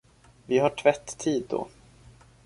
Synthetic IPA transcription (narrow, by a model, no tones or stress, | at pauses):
vɪɦaʈʰvɛt̪ʰːiːd̪ːɔ̰